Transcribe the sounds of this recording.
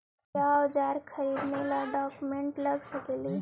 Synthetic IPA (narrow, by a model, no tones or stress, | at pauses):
ad͡ʒaːɾkʰəɾiːd̪nelaɖaːkumẽɳʈləɡsəkeli